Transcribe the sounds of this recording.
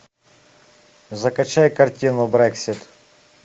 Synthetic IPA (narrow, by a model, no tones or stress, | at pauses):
zɐkɐt͡ʃajkɐrtʲinʊbɾɛksʲit̪